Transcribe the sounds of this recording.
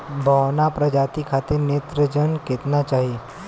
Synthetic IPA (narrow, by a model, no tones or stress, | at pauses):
bʱəwnapɾəd͡ʒat̪ikʰat̪iɾnet̪ɾəd͡ʒənket̪nat͡ʃaɦi